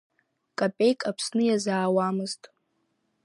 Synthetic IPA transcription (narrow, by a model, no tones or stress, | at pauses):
kʼapʼe̞jkʼapʰsnɨjazaːwamɨztʼ